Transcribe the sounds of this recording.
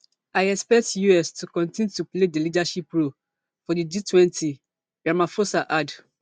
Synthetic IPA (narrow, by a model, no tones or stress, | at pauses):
aɪɛkspɛk̚tjuɛstʰukɔ̃ntĩntupledelidaʃipɹo | fɔdid͡ʒitʰwɛ̃nti | ɡ̥ɹamafosaʔad